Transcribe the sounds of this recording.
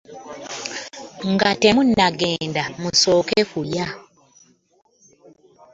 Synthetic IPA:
ŋɡatemunːaɡeːndamusoːkefuja

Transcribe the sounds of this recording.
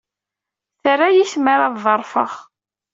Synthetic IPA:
θərːajisməɾaððˤəɾˤfə̰ʁ

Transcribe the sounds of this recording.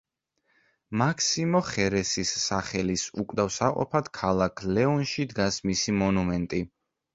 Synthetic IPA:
makʰsimɔχɛɾɛsisːaχɛlisukʼd̪avsaqʼɔ̰pʰad̪̥kʰalˠakʰlɛɔnʃid̪ɡasmisimɔnumɛnt̪ʼi

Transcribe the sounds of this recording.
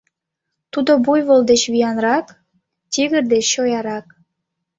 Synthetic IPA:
t̪ud̪obujβold̪et͡ɕβijɑnrɑk | t̪ʲiɣə̆rd̪eːojɑɾɑk̚

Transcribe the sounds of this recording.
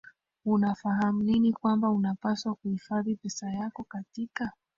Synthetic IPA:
unafaɦam̩linikwambaunapaswakuhifaðipɛsajakɔkatika

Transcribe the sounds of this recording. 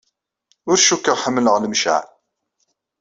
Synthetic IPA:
ʊɾʃukːəʁħəmːələʁləmʃa̰ʕ

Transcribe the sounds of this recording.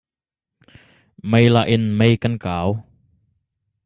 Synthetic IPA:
mejlaʔinmejkənkaːw

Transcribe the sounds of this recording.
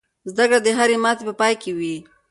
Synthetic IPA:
zd̪akɽad̪əɦaɾemɑt̪epəpɑjkewi

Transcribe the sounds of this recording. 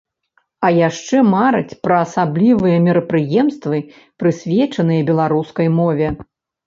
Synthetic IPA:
ɐjaʂt͡ʂɛmaɾɨt͡sʲpɾɐːsablʲivɨjɐmʲɛɾɐpɾɨjɛmst̪vɨ | pɾɨsʲvʲɛt͡ʂɐnɨjɐbʲɛlˠaɾuskɐjmɔvʲɛ

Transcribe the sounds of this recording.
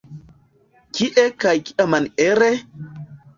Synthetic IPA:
kiʔekajki̥amaneɾe

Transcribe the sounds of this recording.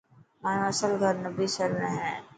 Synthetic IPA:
maːnɐsəlɡʱɐɾnəbisəɾmẽɦɛ̃ː

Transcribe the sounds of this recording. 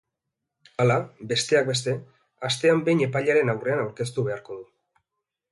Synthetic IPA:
alabe̞st̪e̞ak̚be̞st̪e̞ | ast̪e̞ambe̞jɲe̞pajʎaɾe̞nawre̞anawɾke̞st̪uβe̞aɾko̞ðu

